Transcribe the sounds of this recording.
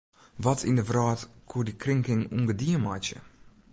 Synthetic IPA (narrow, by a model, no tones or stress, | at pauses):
ʋɔtʰɪ̰ndəvrɑːtkʰudikrɪŋkɪŋuŋɡədiəmaːt͡ʃə̰